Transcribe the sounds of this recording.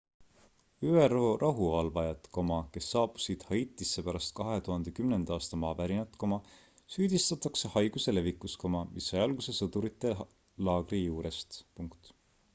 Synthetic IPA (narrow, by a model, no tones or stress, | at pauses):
yːeɾo̞ːrʔɑɦuvɑlvɑjɑt̪ko̞mɑke̞sːɑːpu̥sid̪̥hɑjt̪ːˑisːepæɾɑst̪̚kɑɦe̞t̪uhɑnd̪̥e̞kymnend̪̥ɑɑːst̪ɑmɑːvæɾinɑt̪ːˑkomɑ | syːd̪̥ist̪ɑt̪ˑːɑksehɑjɡ̥use̞le̞vikːˑusko̞mɑmʔisːɑjɑlɡ̥use̞sɤd̪̥uɾit̪ːˑe̞ | lɑːɡ̥rijuːɾe̞st̪puŋkt̪